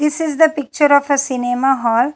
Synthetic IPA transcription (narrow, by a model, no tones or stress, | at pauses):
d̪ɪsɪzd̪əpɪk̚t͡ʃəɾɔfəsinemaɦɔːl